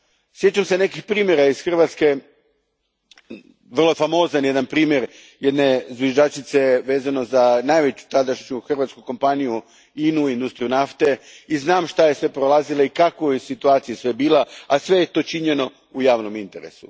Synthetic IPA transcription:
sje̞t͡ʃamse̞ne̞kixpɾiːmje̞ɾaisxr̩ʋat̪ske̞ | ʋr̩lˠofamo̞ːzanjed̪anpɾiːmjeɾ | jed̪ne̞zʋjiʒat͡ʃit̪se̞ʋe̞ːzano̞zanajʋe̞t͡ɕu̥t̪ad̪aʃɲuxr̩ʋat̪skuko̞mpaniju | inuind̪ust̪ɾijunaft̪e̞iznaːmʃt̪ajesʋe̞pɾolˠazilaikakʋojsit̪uaːt̪sijesʋe̞biːlˠaasʋe̞jet̪o̞t͡ʃiɲeno̞ | ujaːʋno̞mint̪e̞ɾḛsṵ

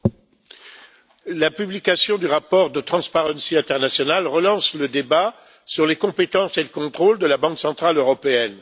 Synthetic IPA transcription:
lapyblikʲasjɔ̃d̪yʁapɔʁd̪ət̪χɑ̃spaʁɑ̃siɛ̃t̪ɛʁnasjɔnalʁəlɑ̃sləd̪eba | syʁlekɔ̃pet̪ɑ̃seləkɔ̃t̪χold̪əlabɑ̃ksɑ̃t̪χaløʁɔpeɛn

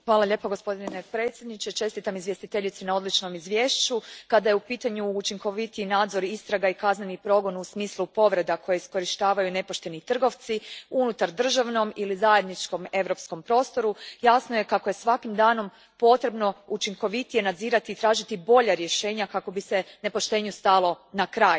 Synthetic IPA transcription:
xʋaːlˠaʎe̞ːpaɡo̞spo̞d̪ninepɾe̞t̪sʲjed̪nit͡ʃe̞t͡ʃe̞st̪it̪amizʋjest̪it̪e̞ʎit̪senao̞d̪lit͡ʃno̞mizʋjeːʃt͡ɕukad̪ajeupiːt̪aɲuːt͡ʃiŋko̞ʋit̪iinaːd̪zo̞ɾist̪ɾaɡaikaznenipɾo̞ɡo̞nusmiːslˠupo̞ʋɾe̞d̪akʰo̞jeisko̞ɾiʃt̪aːʋajune̞poʃt̪e̞nit̪r̩ɡo̞ʋt̪siunut̪aɾd̪r̩ʒaʋno̞milizaje̞d̪nit͡ʃko̞me̞ʋɾo̞psko̞mpɾo̞ːst̪o̞ɾujasnoje̞kako̞jesʋakimd̪aːno̞m | po̞t̪ɾe̞bno̞ut͡ʃiŋko̞ʋit̪ije̞nad̪ziːɾat̪iːt̪ɾaːʒit̪ibo̞ʎaɾje̞ʃe̞ːɲakako̞bise̞ne̞po̞ʃt̪e̞ɲust̪alˠo̞ | nakɾaːj

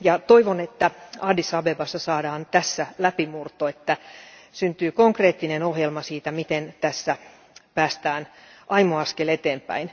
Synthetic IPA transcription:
jɑt̪oiʋonet̪ːæɑːdisɑbebɑsːɑsɑːdɑːnt̪æsːælæpimurt̪oet̪ːæsynt̪yːkoŋkreːt̪ːinenohjelmɑsiːt̪æmit̪ent̪æsːæ | pæːst̪æːnʔɑimuɑskelet̪eːmpæ̰in

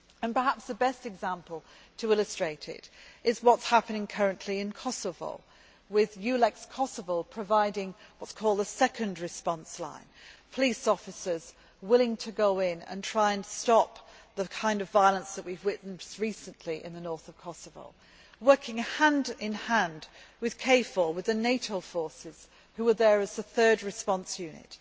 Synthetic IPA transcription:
ə̃npə˞ɦæpsðəbɛstɨɡzæ̃mpəl̩ˠ | tʰəɪlˠəstɹ̥eɪɾɪ̰ɾɪzwʌtshapənɪ̃ŋkʰʌɹɨ̃nʔliɨ̃nkʰɑsəvə̰lˠ | wɪðjʉlɛkskʰɑsəvəlˠpʰɹ̥ɨvaɪɾɪ̃ŋwʌtskʰɔlˠd̪əsɛkʰɨ̃ndɹɨspɑ̃nslã̰ɪ̃npʰəlisɔfɨsə˞z | wɪlˠɪ̃ŋtʰɨɡoʊɪ̃nɨ̰̃ntʰɹ̥aɪɨ̃nstɑp̚ðəkʰãɪ̃ndʌvaɪəlˠə̃nsðəʔwivɹɪʔn̩ʌɹisɨ̃nʔliʔɪ̰̃nðənɔɹθəv̥kʰɑsəvə̰lˠ | wɜ˞kʰɪ̃ŋhæ̃ndɪ̃nhæ̃ndwɨð̥kʰeɪfəlwɨðɨneɪɾoʊfɔɹsɪz̥ | hʉwə˞ðə˞ɨzðəθɜ˞d̚ɹɨspɑ̃nsjʉnɪ̰t̚

